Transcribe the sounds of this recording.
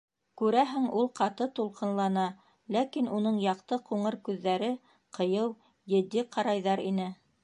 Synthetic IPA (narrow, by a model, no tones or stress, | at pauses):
kʉɾæɦɘŋulˠqɑt̪ɤt̪ulˠqɤ̆nlˠɑnɑ | lækinunɤɴjɑqt̪ɤquɴɤɾkʉðːæɾɘ | qɤ̆jɤw | jɘ̆d̪ːiqʰɑɾɑjðɑɾinɘ